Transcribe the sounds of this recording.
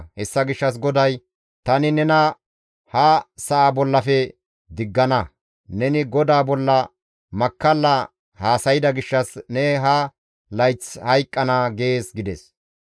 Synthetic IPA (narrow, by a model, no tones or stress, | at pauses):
hɛsːɐɡɪʃːɐs̬ɡɔd̪ɐj | t̪ɐnɪnɛnɐ | hɐsɐʔabɔlːɐfɛ | d̪ɪɡːɐnɐ | nɛnɪɡɔd̪aːbɔlːɐ | mɐkːɐlːɐ | haːsɐjɪd̪ɐɡɪʃːɐsnɛɦɐ | lɐjt͡shɐjkʼːɐnaɡeːsɡɪd̪ɛs